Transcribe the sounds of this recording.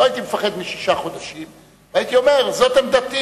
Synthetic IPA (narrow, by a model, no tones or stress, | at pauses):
oajit̪imefaχe̞d̪miʃiʃaχo̞d̪aʃim | vait̪io̞me̞ʁzo̞t̪hamd̪at̪i